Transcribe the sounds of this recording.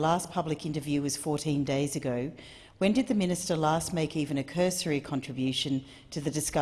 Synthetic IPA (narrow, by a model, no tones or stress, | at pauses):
læspʰʌblɨkɪ̃ntə˞vjʉwʌz̥fɔɹɾĩndeɪzɨɡoʊ | wɨ̃ndɨd̪̚ðɨmɪ̃nɨstə˞læst̚meɪkivɨ̃nɨkʰɜ˞sə˞ikʰɑ̃ntɹ̥ɨbjʉʃɨ̃n | tʰɨðɨdɨskʌ